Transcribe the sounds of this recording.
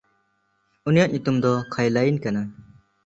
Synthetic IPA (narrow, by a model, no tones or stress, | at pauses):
unijaʔ̚ɲut̪umd̪ɔkʰajlajnkana